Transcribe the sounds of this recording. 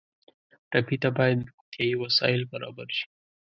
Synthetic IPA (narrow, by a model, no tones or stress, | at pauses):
ʈapit̪abɑjad̪ɾʊxt̪jɑjiwasɑ̰jɪlbaɾɑ̰baɾʃi̥